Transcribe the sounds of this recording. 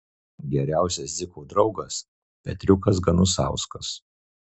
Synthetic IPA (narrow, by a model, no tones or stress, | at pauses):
ɡʲɛɾʲæˑʊsʲɛszʲɪkuːd̪ɾɒʊɡɐs | pʲɛt̪ʲɾʲʊkɐsɡɐnʊsɑ̰ˑʊskɐs